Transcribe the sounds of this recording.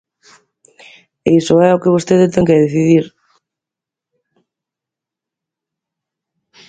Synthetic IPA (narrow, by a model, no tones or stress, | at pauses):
eisoɛokɪβ̞ost̪eðet̪ɛŋkeðeθiðiɾ